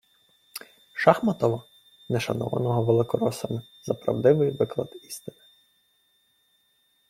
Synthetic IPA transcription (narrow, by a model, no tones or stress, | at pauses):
ʃɑxmɐt̪ɔʋɔ | nɛʃɐnɔ̰ʋɐ̰nɔɦɔʋelˠɪkɔɾɔsɐmɪ | zɐpɾɐ̰wd̪ɪʋɪjʋɪklˠɐ̰d̪i̥st̪ɪnɪ̥